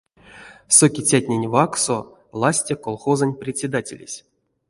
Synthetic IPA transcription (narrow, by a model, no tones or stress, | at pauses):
sokʲit͡sʲatʲnʲenʲvakso | lˠasʲtʲekolˠχozənʲprʲɪtʲsʲed̪atʲḛlʲḛsʲ